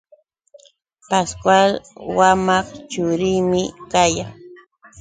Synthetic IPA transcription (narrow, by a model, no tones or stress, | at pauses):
paskwalwamɑχt͡ʃʊɾɪːmɪkajaŋ